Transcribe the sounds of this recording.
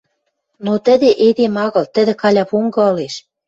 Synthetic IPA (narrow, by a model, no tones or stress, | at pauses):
not̪ə̆d̪eʔed̪emɑɣɤ̆lt̪ə̆d̪ĕkɑlʲɑpuŋɡɤ̆ɤ̆leʃ